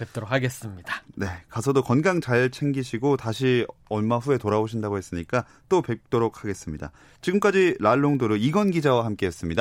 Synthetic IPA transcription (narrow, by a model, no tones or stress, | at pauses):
pep̚t͈oɾokʰaɡes͈ɯmɲid̥ane̞kasʰʌdokʌnɡaŋt͡ɕaɭt͡ɕʰe̞ŋɡiɕʰiɡotaɕʰiʌɭmaɸue̞toɾaoɕʰindaɡohes͈ɯɲik͈a | t͈ope̞k̚t͈oɾok̚ʰhaɡe̞s͈ɯmɲida̰ | t͡ɕiɡɯmk͈ad͡ʑiɾaɭːoŋdoɾɯiɡʌnɡid͡ʑawahamk͈e̞ɦes͈ɯmɲida